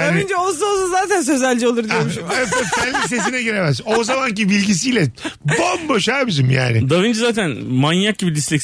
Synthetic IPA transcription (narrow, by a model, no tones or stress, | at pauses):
avind͡ʒɛolˠs̬uolˠsuzaːt̪ʰæns̬ø̞zælʲd͡ʒɛo̞lˠuɾd̪ømʃeɛfænlːʲis̬e̞sinɛɟøɾemɛzozamancibilʲɟis̬ijlʲɛbambaʃaɾbid͡ʒimja̰ːnɪ̰d̪avind͡ʒɛzaːt̪ʰænmanjak̚ɟibid̪islʲic